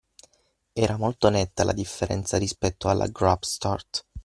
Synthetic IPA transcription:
ɛːɾamolt̪onɛt̪ːalʔa̰d̪ifːeɾɛ̰nt̪saɾispɛt̪ːoalʔa̰ɡɾapst̪art̪

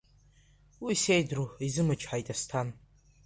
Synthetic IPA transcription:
wisejdruizɨmat͡ʃʰʼħajtʼastʰan

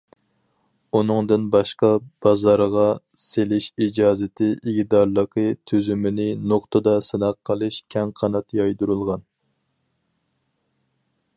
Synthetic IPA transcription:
unɨŋd̪ɨnbɑʃqɑb̥ɑzɑɾʁɑselɪʃid͡ʒɑːzɪt̪ʰɪʔiɡʲd̪ɑɾlˠəqʰət̪ʰyzymɪnɪnoχt̪ʰɨd̪ɑsɨnɑqʰːəlˠɨʃkʲʰɛŋqʰɑnɑt̪jɑjd̪uɾulˠʁɑn

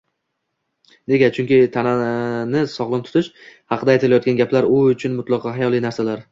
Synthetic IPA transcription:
ne̞ɡʲat͡ʃʰʊŋkʲɪt̪ʰananɪsɒʁlˠɨnt̪ʰʊ̥t̪ʰɪʃhɑqʰɨd̪aːjt̪ʰɪlajɒt̪ɡʲanɡʲaplaɾʊʊt͡ʃʰʊnmʊt̪lˠɑqʰɒɦɑjɒlijnaɾsalaɾ

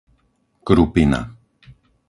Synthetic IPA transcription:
kɾupina̰

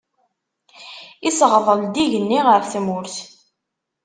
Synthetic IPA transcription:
isəʁðˤəld̪iʝənːiʁəɾθmʊɾθ

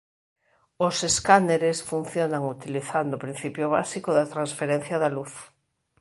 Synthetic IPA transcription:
oseskaneɾesfun̟θjonaŋut̪iliθand̪opɾin̟θipjoβ̞a̰sikoðat̪ɾansfeɾen̟θjaðaluθ

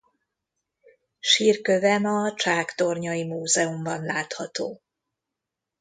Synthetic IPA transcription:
ʃiːrkø̞vɛmɒt͡ʃaːkt̪o̞rɲɒjimuːzɛumbɒnlaːt̪hɒt̪oː

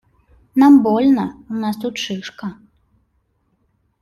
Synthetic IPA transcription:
nambɔlʲnɐunast̪ut̪̚t͡ʂɨʂkɐ

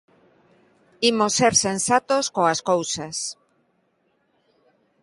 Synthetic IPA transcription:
imoseɾsensat̪oskoaskowsas

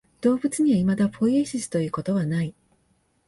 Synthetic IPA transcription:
d̪̥o̞ːbɯ̟t͡sɨɲ̟iβaimad̪aɸo̞ieɕisɨ̥t̪o̞jiɯ̟ːko̞t̪o̞βanai

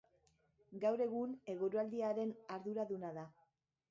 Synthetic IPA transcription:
ɡawɾe̞ɣ̞une̞ɣoɾuald̪iaɾe̞naɾðuɾaðunaða

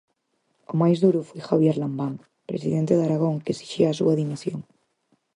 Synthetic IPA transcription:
omajzðuɾufwojxaβjeɾlambaŋ | pɾḛsiðent̪eðaɾaɣ̞oŋkesi̥ʃiasuaðimisjoŋ

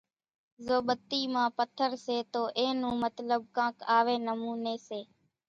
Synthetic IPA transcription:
zoːɓət̪ːiːmãːpət̪ʰəɾseːt̪oːʔẽːnũːmət̪ləɓ̚kãːkaːʋeːnəmuːneːseː

